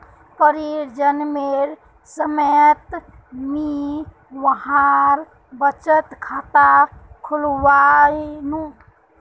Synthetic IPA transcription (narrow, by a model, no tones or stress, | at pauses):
pəɾiɾd͡ʒənmeɾ | səmet̪ | mi | ʋəɦãɾ | bət͡ʃət̪kʰat̪akʰulʋanũ